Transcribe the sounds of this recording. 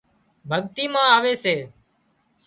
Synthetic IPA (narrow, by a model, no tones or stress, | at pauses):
bʱəɠt̪iːmãːaːʋeːseː